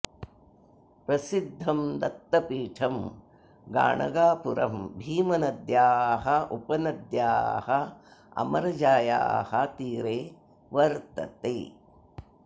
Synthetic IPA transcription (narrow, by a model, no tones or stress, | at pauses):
pɾɐsid̪ʱːɐmd̪ɐt̪ːɐpiːʈʰɐm | ɡa̰ːɳɐ̰ɡaːpuɾɐ̰mbʱiːmɐnɐd̪jaːɦɐʔupɐnɐd̪jaːhɐɐ̰mɐɾɐd͡ʒaːja̰ːhɐt̪iːɾeː | ʋɐɾt̪ɐ̰t̪ḛː